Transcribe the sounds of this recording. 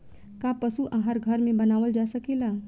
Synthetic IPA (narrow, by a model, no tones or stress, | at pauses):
kapəsuʔaɦaɾɡʱəɾmẽbənaːʋəld͡ʒasəkela